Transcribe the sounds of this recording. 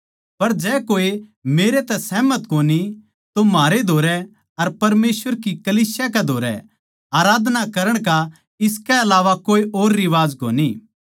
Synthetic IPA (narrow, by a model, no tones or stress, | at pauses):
pɐɾd͡ʒɛːkoːemeːɾet̪ɛsɛːmɐt̪koːni | t̪omaːɾed̪ʱoːɾɛ | ɐɾpɐɾmeːsʋəɾkikɐliːsjakɛd̪ʱoːɾɛ̰ | aːɾaːd̪ʱnakɐɾəɽ̃ka | ɪskɛɐlaːʋakoːiʔoːɾːɪʋaːzkoːniː